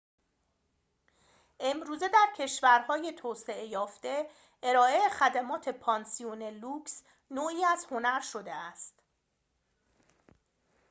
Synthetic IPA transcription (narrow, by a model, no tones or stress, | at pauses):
ʔe̞mɾuːze̞d̪æɾcʰe̞ʃvæɾhɒːje̞t̪ʰɒːse̞e̞jɒːft̪e | e̞ɾɒːe̞ːxæd̪æmɒːt̪ʰe̞pʰɒːnsioneluːks | noːiːæzho̞næɾʃo̞d̪e̞æst̪